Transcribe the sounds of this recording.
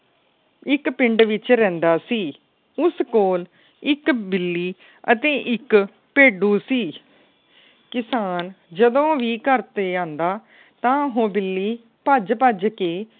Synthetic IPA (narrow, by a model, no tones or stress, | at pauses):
ɪkpɪɳɖʋɪt͡ʃɾɛ̃ːnd̪aːsiː | ʊskoːl | ɪkbɪlːiː | ət̪ẽːʔɪk | peːɖuːsiː | kɪsaːn | d͡ʒəd̪õːʋiːkəɾt̪eːãːnd̪aː | t̪ãːɦõːbɪlːiː | pəd͡ʒpəd͡ʒkeː